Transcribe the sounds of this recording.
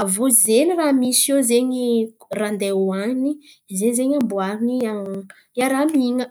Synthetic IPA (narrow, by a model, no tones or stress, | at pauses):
avozeniramisozeɲirand̪ewani | zeɲzeɲambuaɾinia | jaɾamiŋə